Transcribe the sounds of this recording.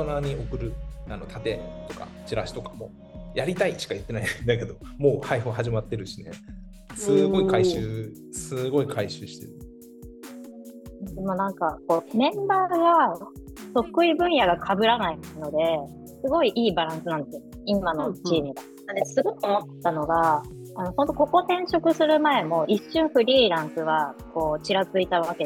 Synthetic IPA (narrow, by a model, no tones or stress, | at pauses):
onaɲ̟io̞kɯ̟ɾɯ̟ano̞t̪ʰat̪e̞t̪o̞ka̰t͡ɕiɾaɕi̥t̪o̞kḁmo̞̰ː | jaɾʲit̪aiɕi̥kajɯ̟t̪ːe̞naid̪ake̞d̪o̞mo̞ːhaiɸɯɦaʑimat̪ːe̞ɾɯ̟ɕinḛ | sɨɡo̞ikaiɕɨː | sɨɡo̞ikʰaiɕɨːɕi̥t̪e̞̰ɾɯ | d̪emonãŋkako̞mẽ̞mbaːɡa | t̪oɸɯ̥kɯibɯ̟̃ɰ̃jaɡakʰabɯ̟ɾanaino̞d̪e̞ | sɨɡo̞iʔiːbaɾãɰ̃sɨnãnd̪esɨjo | imano̞t͡ɕiːmʲiɡa | ad̪esɨɡo̞kːɯomot̪ːt̪ano̞ɡa | ano̞hont̪o̞ko̞ko̞t̪ẽ̞ɰ̃ɕo̞kɯ̟sɨɾɯ̟mae̞mo̞ʔiɕːɨ̃ɰ̃ɸɯ̟ɾʲiːɾãŋkɯ̟βako̞ːt͡ɕiɾazɨit̪aβake̞